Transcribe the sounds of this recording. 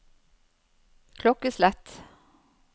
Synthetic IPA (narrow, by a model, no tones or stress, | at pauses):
kʰlɔkəslɛt̪